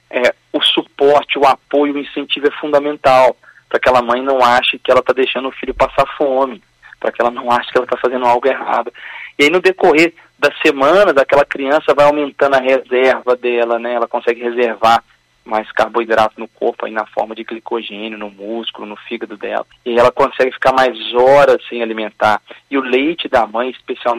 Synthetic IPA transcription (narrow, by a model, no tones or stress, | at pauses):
ɛ | ʊsupɔɾt͡ʃɪʊapojʊʊĩsẽnt͡ʃivʊɛfũd̪ɐmẽnt̪aw | pɾɐkɛlɐmɐ̃j̃nɐ̃w̃aʃɐkɪɛlɐt̪ad̪ejʃɐ̃nd̪ʊfiʎʊpasaɾfõmɪ | pɾɐkɪɛlɐnɐ̃w̃aʃɐ̥kɛlɐt̪afazẽnd̪ʊawɡʊeɦa̰d̪ʊɪainʊd̪ekoɦeɾ | d̪ɐsːemɐ̃nɐzakɛlɐkɾiɐ̃sɐvajawmẽnt̪ɐ̃nd̪ʊɐɦezɛɾvɐd̪ɛlɐnɛɛlɐkõsɛɡɪɦezeɾvaɾ | majskaɾboid̪ɾat̪ʊnʊko̰ɾpʊa̰inɐfɔ̰ɾmɐd͡ʒɪklikoʒẽnjʊnʊmuskʊlʊnʊfiɡɐd̪ʊd̪ɛ̰lɐiaiɛlɐkõsɛɡɪfi̥kaɾmajzɔɾɐsẽj̃alimẽnt̪aɾɪʊlejt͡ʃɪd̪ɐmɐ̃j̃ispesiaw